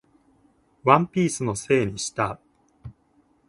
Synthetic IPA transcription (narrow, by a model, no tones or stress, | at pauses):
βãmpʲiːsɨno̞se̞ːɲ̟iɕi̥t̪a